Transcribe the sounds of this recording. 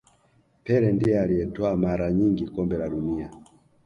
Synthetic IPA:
pɛɾɛndijɛaliɛtɔamaɾaɲiŋɡikɔmbɛlaɗunia

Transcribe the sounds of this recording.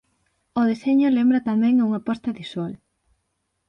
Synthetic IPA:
oðeseɲʊlembɾɐt̪amɛ̃ŋuŋɐpɔst̪ɐβiswal

